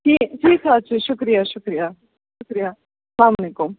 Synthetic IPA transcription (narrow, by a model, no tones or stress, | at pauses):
t̪it̪isat͡ʃeʃʊkɾijaʃʊkɾija | ʃʊkɾija | slamonekʊm